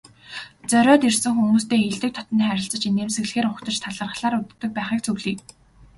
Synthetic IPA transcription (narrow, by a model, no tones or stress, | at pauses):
t͡sœɾʲɔːt̪irsɘ̆ŋxumuːst̪eːeɮt̪ɘ̆k̚t̪ʰɔ̥t̪niχæɾʲɪ̆ɬt͡sə̆t͡ɕineːmsɘ̆ɣɮɘ̆xeːɾʊkt̪ə̆t͡ɕt̪ʰaɮə̆rʁə̆ɮaːɾʊt̪ːə̆k̚pæːχiːk̚t͡sʰɵɣɮiːk